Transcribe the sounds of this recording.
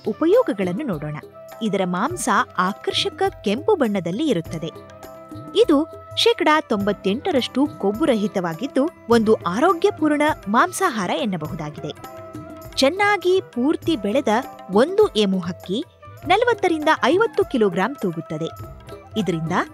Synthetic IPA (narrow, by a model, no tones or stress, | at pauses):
upɐjɔːɡɐɡɐɭɐnːunɔːɽoːɳɐ̰ | id̪ɐɾɐmaːmsɐaːkɐɾʃɐkɐkempubɐɳːɐd̪ɐlːiːɾut̪ːɐd̪e̞ | id̪uʃɛːkɐɽat̪o̞mbɐt̪ːe̞ɳʈɐɾɐʂʈukobːuɾɐɦit̪ɐʋaːɡid̪ːuond̪uʔaːɾoːɡjɐpuːɾɳɐmaːmsaːɦaːɾɐenːɐbɐɦud̪aːɡid̪e̞ | t͡ʃɛnːaːɡipuːɾt̪ibɛɭɛd̪ɐo̞nd̪uʔemuɦɐkːi | nɐlɐʋɐt̪ːɐɾind̪ɐʔɐjʋɐt̪ːukilɔːɡɾaːmt̪uːɡut̪ːɐd̪e̞id̪ɐɾind̪ɐ